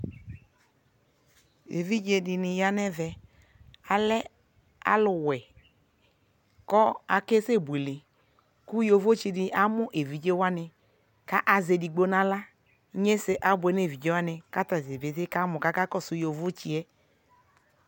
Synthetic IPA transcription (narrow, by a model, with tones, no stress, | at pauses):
ḛ˨vi˦d͡ʒe˧dɪ˧nɪ˨ja˦nɛ˦vɛ˨ | a˨lɛ˦ | a̰˦lʊ˨wɛ˨ | kɔ˦a˨ke˦se˦˨bu˨e˨lɪ˨ | ku˦jo˧vo˦t͡ʃi˧dɪ˨ʔa˨mʊ˦ʔe˨vi˨d͡ʒe˦wa˦nɪ˧ | ka˦ʔa˨ze˨˧di˨ɡ͡bo˦na˦la˦ | ɲe˦sɪ˦ʔa˨˦bʊ˨ɛ˨ne˦˨vi˨d͡ʒe˦wa˦nɪ˧ka˦ta˨ze˨be˨ðɪ˦ka˦mʊ˨ka˦ka˦kɔ˦˨sʊ˨jo˨vo˦t͡ʃi˦ɛ˦